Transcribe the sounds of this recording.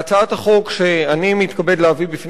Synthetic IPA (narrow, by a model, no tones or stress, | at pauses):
t͡saathaχo̞kʃeanimit̪kabedleavibifn